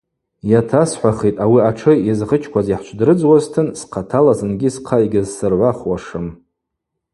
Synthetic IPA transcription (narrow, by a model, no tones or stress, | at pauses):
jatʰasħʷaχejtʼawiaʈ͡ʂʰɨjazʁət͡ʃʰkʷʰaziħt͡ʃʷʰdrɨd͡zwaztʰɨnsqʰatʰalazɨnɡʲisqʰaiɡʲɪzsɨrʕʷaχwaʂɨm